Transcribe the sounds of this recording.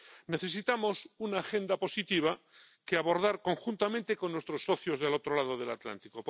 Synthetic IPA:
ne̞θe̞s̬it̪amo̞sunaːxe̞nd̪apo̞sit̪iβ̞a | keaβo̞ɾðaɾko̞ŋxunt̪amẽnt̪e̞konːwest̪ɾo̞sːo̞θjo̞zðelo̞t̪ɾolað̞oðe̞lat̪la̰nt̪ikop

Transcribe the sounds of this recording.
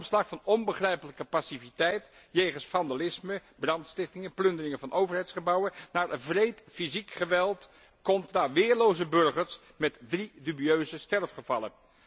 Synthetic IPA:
mslɑχfɑnɔnbəχrɛjpələkəpɑsivitɛjt | jejχənsfɑndalɪsməb̥rɑntstɪχtɪŋəplɵndərɪŋəvɑnʔowvəɹɦɛjtsχəbɑwənnaːɹvrejtfizikχəʋɛlˠt | kɔmtnaːɹʋɪːɹlowzəbɵɹχəɹs | mɛtdridybiøɥzəstɛrfχəvɑlə̰n

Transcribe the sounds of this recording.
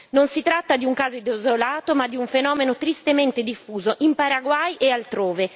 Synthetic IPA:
nonsit̪ɾat̪ːad̪iuŋkaːzoid̪ozolaːt̪omad̪ːiuɱfenɔːmenot̪ɾist̪ement̪ed̪ifːuːzoʔimpaɾaɡwajʔealt̪ɾoːve

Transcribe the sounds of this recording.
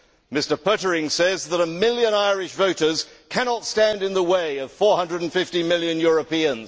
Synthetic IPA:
mɪstə˞pʰɜɾə˞ɪ̃ŋsɛzðəɾəmɪlˠjɨ̃naɪɹɪʃvoʊɾə˞z̥kʰænɑtstæ̃ndɨ̃nðəweɪʌv̥fɔɹhʌ̃ndɹədn̩fɪftimɪlˠjɨ̃njʊɹəpiɨ̃nz̥

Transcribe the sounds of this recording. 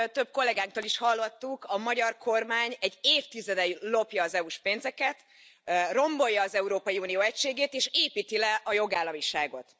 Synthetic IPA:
t̪øb̥̚ko̞lːɛɡaːŋk̚t̪oːliʃhɒlːot̪ːukɒmɒɟɒrkʰo̞rmaːɲɛɟːeːft̪izɛd̪ɛjlo̞pjɒːzɛuʃpeːnzɛkɛt̪ | ro̞mbo̞jːɒːzɛuɾoːpɒjiuːnijoːɛcʃeːɡeːt̪eːʃeːpiːt̪ilɛʔɒjo̞ɡaːlːɒmiʃaːɡo̞̰t̪

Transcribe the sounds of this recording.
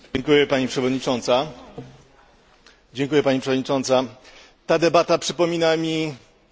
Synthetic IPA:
ɛŋkujɛpaɲipʂɛvɔd̪ɲit͡ʂɔnt̪sa | d͡ʑɛŋkujɛpaɲipʂɛvɔd̪ɲit͡ʂɔnt̪sa | t̪ad̪ɛbat̪apʂɘpɔmʲinamʲi

